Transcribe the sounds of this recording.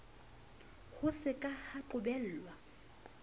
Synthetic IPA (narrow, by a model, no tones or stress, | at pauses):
hʊsɪkʼahaǃʊbɛl̩ːlwa